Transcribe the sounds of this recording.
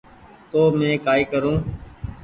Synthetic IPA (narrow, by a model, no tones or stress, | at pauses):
t̪oːmẽːkaːiːkəɾũː